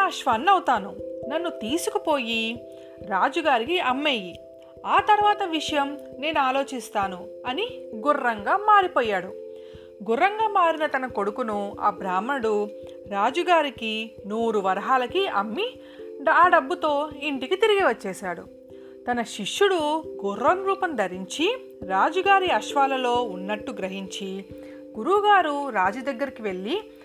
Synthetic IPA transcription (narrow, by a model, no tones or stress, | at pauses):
aːʃʋɐnːɐwut̪aːnunɐnːut̪iːsukupo̞ːji | ɾaːd͡ʒuɡaːɾikiɐmːeːji | aːt̪ɐɾʋaːt̪ɐʋiʂɐjɐmne̞ːnuaːlo̞ːt͡ʃist̪aːnuɐniɡurːɐŋɡaːmaːɾipɔːjːaːɽu | ɡurːɐŋɡaːmaːɾinɐt̪ɐnɐko̞ɽukunua̰ːbɾaːmɐnɐɽu | ɾaːd͡ʒuɡaːɾikinuːɾuʋɐɾɐɦaːlɐkiɐmːi | ɖaːɖɐbːut̪o̞ːiɳʈikit̪iɾiɡiʋɐt͡ʃːeːʃaːɽṵ | t̪ɐnɐʃiʃːuɽuɡurːɐnɾuːpɐnd̪ʱɐɾiɲt͡ʃi | ɾaːd͡ʒuɡaːɾiɐʃʋaːlɐlo̞ːunːɐʈːuɡɾɐɦiɲt͡ʃi | ɡuɾuɡaːɾuɾaːd͡ʒɐd̪ɐɡːɐɾikiʋe̞ɭːi